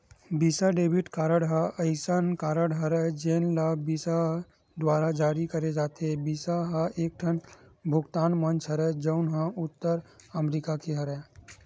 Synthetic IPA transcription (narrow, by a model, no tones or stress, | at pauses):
biːsaɖeːbʱɪʈkaːɾəɽɦaɐɪsankaːɾəɽɦɐɾɛd͡ʒeːnlabiːsa | d̪waːɾad͡ʒaːɾikɐɾed͡ʒaːt̪ebiːsaɦaʔeːk̚ʈʰənbʱʊɡt̪aːnmə̃nt͡ʃʰɦəɾɛd͡ʒəʊnɦãʊt̪ːəɾɐmɾikakeɦɐɾɛ